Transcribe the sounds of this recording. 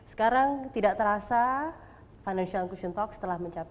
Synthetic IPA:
sə̥kaɾaŋt̪idaʔt̪əɾasa | fajnanʃialkuʃənt̪ɔkst̪əlahməɲt͡ʃap

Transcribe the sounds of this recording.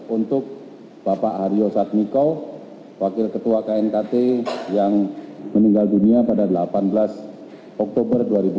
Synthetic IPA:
unt̪ʊk̚ | bapaʔhaɾiosat̪̚mikɔ | wakɪlkət̪uakaɛnt̪at̪ejaŋməniŋɡalduniapadadəlapanbəlas | ɔk̚t̪obərduaɾibu

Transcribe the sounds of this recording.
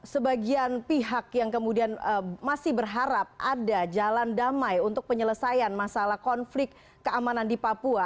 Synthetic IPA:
səbaɡianpiɦakjaŋkəmudianəmasɪhbərɦaɾap̚adad͡ʒalandamajunt̪ʊk̚pəɲələsajanmasalahkɔnflɪkː | əamanandipapua

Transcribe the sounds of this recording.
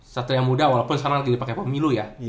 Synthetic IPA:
sat̪ujaŋmudawalapʊnskaɾaŋlaɡidipakepəmiluja

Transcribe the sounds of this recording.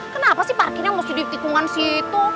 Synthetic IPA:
kənapasɪhparɡkinjaŋmost̪idit̪ikuŋansit̪u

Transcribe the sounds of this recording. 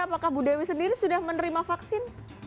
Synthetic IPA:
apakahbudawisəndiɾisudahmənəɾimafaksɪn

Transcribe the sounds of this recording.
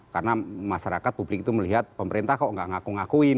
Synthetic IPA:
karnamasaɾakat̪̚publɪk̚it̪uməliɦat̪̚pəməɾent̪ahkɔʔŋɡaʔŋakuŋakui

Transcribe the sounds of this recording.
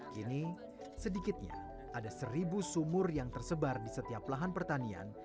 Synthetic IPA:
kini | sədikɪt̪̚ɲa̰ | ʔadasəɾibusumʊrjaŋt̪ərsəbardisət̪iaplaɦanpərt̪ania̰n

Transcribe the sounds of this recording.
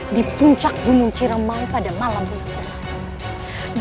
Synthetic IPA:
dipuɲt͡ʃak̚bunuŋt͡ʃiɾəmaŋpadamalamit̪a

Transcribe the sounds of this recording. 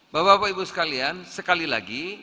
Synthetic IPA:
babapaibusə̥kaliansəkalila̰ɡi

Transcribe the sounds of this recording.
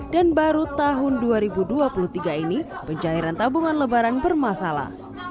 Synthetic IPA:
danbaɾut̪aɦʊnduaɾibuduapulut̪iɡainipəɲt͡ʃaiɾant̪abuŋanləbaɾanbərmasala̰h

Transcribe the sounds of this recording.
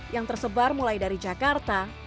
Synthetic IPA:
jaŋt̪ərsəbarmulajdaɾid͡ʒakart̪a

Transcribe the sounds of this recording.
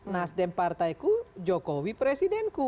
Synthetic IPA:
nasdɛmpart̪ajkud͡ʒɔkɔwipɾɛsidɛnku

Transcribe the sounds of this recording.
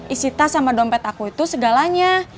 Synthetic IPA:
isit̪asamadɔmpɛt̪akuit̪usəɡalaɲa

